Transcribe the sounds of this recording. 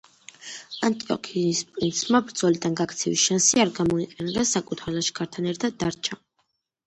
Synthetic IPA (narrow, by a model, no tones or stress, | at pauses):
ant̪ʼiɔ̰kʰinispʼɾint̪sʰmabɾd̪zɔlid̪anɡakʰt̪sʰɛvisʃansiaɾɡamɔiqʼɛnɡasakʼut̪ʰalaʃɡaɾt̪ʰanɛɾt̪ʰad̪̚ːaɾt͡ʃʰa